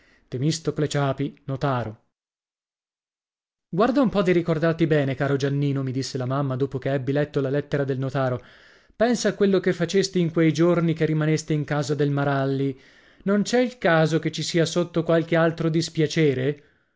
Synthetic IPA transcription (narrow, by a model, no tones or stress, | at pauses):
t̪emist̪oklet͡ʃaːpinot̪aːɾo | ɡward̪aumpɔd̪iɾikord̪art̪ibɛːnekaːɾod͡ʒanːiːnomid̪isːelamamːad̪oːpokeɛbːilɛt̪ːolalɛt̪ːeɾad̪elnot̪aːɾo | pɛnsakːwelːokefːat͡ʃest̪iiŋkwejd͡ʒornikerːimanest̪eiŋkaːzad̪elmaɾalːi | nont͡ʃɛilkaːzoket͡ʃːisiːasot̪ːokwalk̟ealt̪ɾod̪ispjat͡ʃɛːɾe